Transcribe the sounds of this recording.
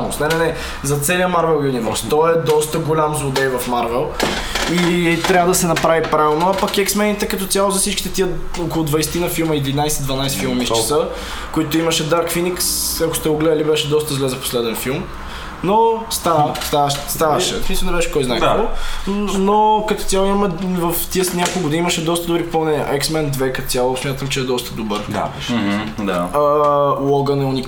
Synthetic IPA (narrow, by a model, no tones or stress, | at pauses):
nosnɛnɛnɛ | zɐt̪sɛliəmaɾvɛlˠjunivɛ̰ɾst̪ɔɛd̪ɔst̪əɡolʲamzlod̪ɛjvɐfmaɾvɛlˠ | it̪ɾʲavəd̪ɐsɛnɐpɾavipɾavilˠnoapəkɛksmɛnit̪ɛkɐt̪ɔt̪sʲjalˠozɐfsit͡ʃkit̪ɛt̪iə | okolˠʊd̪vɐjsɛ̥t̪inɐfilˠmɐid̪vinajsɛd̪vɐnajsɛ̥filˠmɐmist͡ʃsə | koit̪ʊimɐʃɛd̪aɾkfiniksɐkʊst̪ɛʊɡlɛd̪əlibɛʃɛd̪ɔst̪əzlʲɛzəfpo̥slɛd̪ɛnfilˠm | nost̪ast̪aʃst̪avɐʃɛ̰smislnɛbɛʃɛ̥kɔjzajɾo | nokət̪o̥t̪ʲjalˠoimɐmɛvəft̪iəsnʲakolˠɡod̪iiiməʃɛd̪ɔst̪əd̪obɾipolˠnɛnʲiə̰ʔɛksmɛnd̪vɛkət̪o̥t̪sʲjalˠosmʲjat̪əmt͡ʃɛːd̪ɔst̪əd̪obɤɾd̪a̰ | d̪aəlˠɔɡənɛʊnik